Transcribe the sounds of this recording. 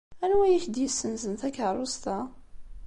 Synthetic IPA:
ænwæjiçd̪jəsːənzənθækːrˤʊst̪a

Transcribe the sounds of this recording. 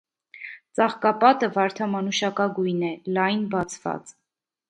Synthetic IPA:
t͡sɑχkɑpɑt̪əvɑɾt̪ʰɑmɑnuʃɑkɑɡujnɛlɑjnbɑt͡sʰvɑ̰t͡s

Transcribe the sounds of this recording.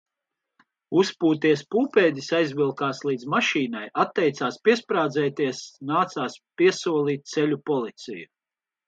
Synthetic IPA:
uspuːt̪iɛspuːpeːd̪isajzvilˠkaːslˠiːd̪zmaʃiːnajat̪ːɛjt̪saːspiɛspɾaːd̪zɛːt̪iɛsnaːt̪saːspiɛsuɔlˠiːt̪̚t̪sɛlʲupɔlˠit̪sḭju

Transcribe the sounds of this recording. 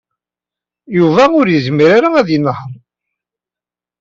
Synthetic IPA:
juvæʊɾjəzmiɾaɾaæðjənhə

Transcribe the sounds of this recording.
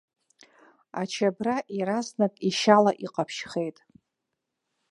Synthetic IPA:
at͡ʃʰabraʔiɾaznakʼiʃalaʔiqʼapʰʃχe̞jtʼ

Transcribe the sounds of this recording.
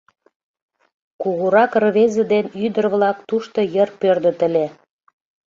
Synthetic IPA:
kuɣuɾɑkrβezə̆d̪enyd̪ərβlɑk̚t̪uʃt̪ŏjərpørd̪ə̆t̪ə̆lʲe

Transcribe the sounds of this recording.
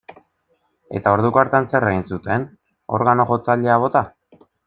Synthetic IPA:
e̞̰t̪ao̞ɾðukoaɾt̪anse̞reɣinsut̪e̞n | o̞̰ɾɣano̞ʝo̞t͡saʎe̞aβ̞o̞t̪a

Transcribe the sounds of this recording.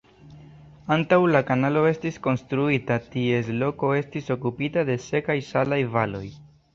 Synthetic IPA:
antawlakanalo̞e̞stisko̞nstɾuitatie̞slo̞ko̞e̞stiso̞kupitade̞se̞kajsalajvalo̞j

